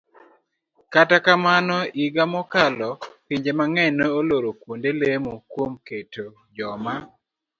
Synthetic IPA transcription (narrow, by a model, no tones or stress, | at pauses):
katakamanɔiɡamɔkalɔpiɲd͡ʒemaŋɛnoːloɾokwondelemokwomketo | d͡ʒɔma